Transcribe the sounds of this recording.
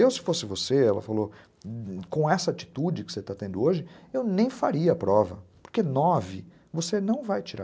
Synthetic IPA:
ewsɪ̥fosɪvoseɛlɐ̰falo | kõɛsɐat͡ʃi̥t̪ud͡ʒɪkɪ̥set̪at̪ẽnd̪ʊoʒɪewnẽj̃faɾiɐːpɾɔvɐpo̥ɾkenɔvɪ | vosenɐ̃w̃vajt͡ʃiɾa

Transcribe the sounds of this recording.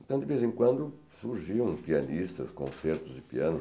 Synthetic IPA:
t̪ɐ̃d̪ɪvezẽŋkwɐ̃nd̪ʊ | suɾʒiɐ̃w̃piɐnist̪ɐskõ̰seɾt̪ʊzɪpiɐ̃nʊ

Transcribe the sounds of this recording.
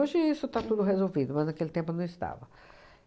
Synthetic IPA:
oʒɪisʊt̪at̪ud̪ʊɦezowvid̪ʊmɐznɐkelɪt̪ẽmpʊnɐ̃w̃ɪst̪a̰vɐ

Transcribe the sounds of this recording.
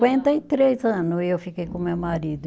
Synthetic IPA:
ẽnt̪ɐit̪ɾezɐ̃nʊewfikejkõmewmaɾid̪ʊ

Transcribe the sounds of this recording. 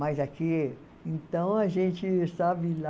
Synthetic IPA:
majzaki | ẽnt̪ɐ̃w̃ɐʒẽt͡ʃɪsabɪla

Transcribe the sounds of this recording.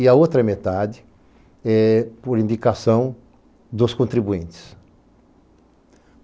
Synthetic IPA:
ɪɐot̪ɾɐmet̪ad͡ʒ̪ɪ | ɛpʊɾĩnd̪ikasɐ̃w̃ | d̪ʊskõnt̪ɾibuĩnt̪ɪ̥s

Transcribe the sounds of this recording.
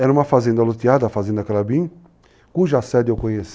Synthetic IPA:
ɛɾɐ̃ũmɐfazẽnd̪ɐlot̪iad̪ɐafazẽnd̪ɐkaɾabĩ | kuʒɐasɛd̪ewkõɲes

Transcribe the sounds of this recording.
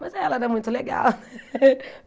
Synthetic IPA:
mɐzɛlɐɛmũj̃t̪ʊleɡa̰lnɛ

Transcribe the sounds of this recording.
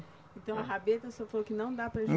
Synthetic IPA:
ẽt̪ɐ̃w̃ɐɦabet̪ɐsɔfalokɪnɐ̃w̃d̪apɾɐʒ

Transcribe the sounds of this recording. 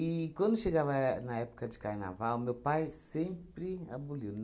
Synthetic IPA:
ikwɐ̃nd̪ʊʃeɡavɐnɐɛpʊ̥kɐd͡ʒɪkaɾna̰vawmewpajsẽmpɾɪa̰buliw̪

